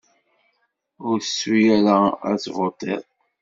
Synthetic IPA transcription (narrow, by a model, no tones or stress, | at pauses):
ʊɾθəsːwijæɾaæ̰t͡svot̪ˤːḛðˤ